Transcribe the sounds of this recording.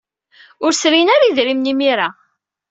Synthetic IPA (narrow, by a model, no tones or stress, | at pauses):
ʊɾsɾinaɾiðɾimnimiɾa